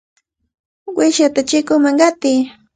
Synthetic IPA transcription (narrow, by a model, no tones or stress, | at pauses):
wɪʃat̪at͡ʃɪkʊmaŋɢɑt̪ɪ